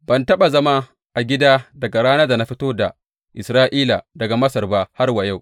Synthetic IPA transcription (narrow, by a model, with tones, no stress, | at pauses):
b̥ɐ˨ntɐ˦ɓa˨zɐ˦ma˦ | ʔa˨ɡʲɪ˦daː˦dɐ˨ɡa˨ɽaː˦na˦da˨na˦ɸi˦toː˦da˨ | ʔɪ˨sɾaː˦ʔiː˦la˨dɐ˨ɡa˨mɐ˦sɐ˨rbaː˦ha˦rwa˨ja˦˨w